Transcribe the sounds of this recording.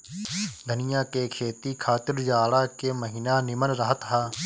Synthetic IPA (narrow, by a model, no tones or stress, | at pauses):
d̪ʱənɪjãːkeːkʰeːt̪iːkʰaːt̪ɪɾd͡ʒaːɽaːkeːməɦiːnaːnɪmənɾəɦət̪ɦaː